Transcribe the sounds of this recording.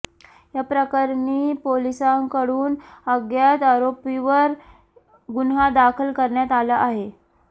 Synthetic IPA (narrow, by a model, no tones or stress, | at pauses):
japɾəkaɾɳipolisaŋkəɽuːnəɡjat̪aɾopiʋəɾ | ɡunɦad̪akʰəlkəɾɳjat̪alaʔaɦe